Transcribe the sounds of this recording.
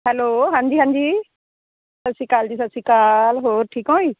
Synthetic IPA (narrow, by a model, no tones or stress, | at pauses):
ɦɛloːɦãːɲd͡ʑiːɦãːɲd͡ʑiː | sɐsikaːld͡ʑiːsɐsikaːlɦoːɾʈʰiːkõːiː